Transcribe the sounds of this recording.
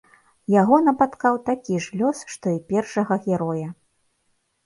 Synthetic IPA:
jaɣɔnɐpat̪kawt̪akʲiʐlʲɔsʂt̪ɔipʲɛrʂɐɣɐɣʲɛɾɔjɐ

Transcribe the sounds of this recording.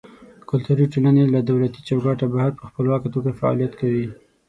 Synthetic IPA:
kʊlt̪aɾiʈenanelad̪awlat̪it͡ʃawɡɑʈabahaɾpəxpəlwɑkat̪oɡafaɑ̰lijat̪kawi

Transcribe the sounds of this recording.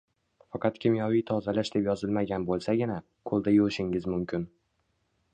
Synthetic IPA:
fɑqʰɑt̪kʲʰɪmjɒvijt̪ʰɒzalaʃd̪e̞pjɒzɪlmaɡʲanbolˠsaɡʲɪna | kʰolˠd̪ajoʃɪŋɪzmʊmkʲɪn

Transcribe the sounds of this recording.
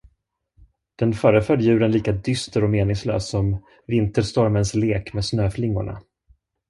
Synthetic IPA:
d̪̥ɛnfœːɾəfœd̪jʉ̟ːɾənliːkad̪ʏst̪əɾɔmeːnɪŋslø̰ːsːɔm | vɪnt̪əʂt̪ɔɾmənsleːkmeːd̪snøːflɪŋːʊ̰ɳa̰

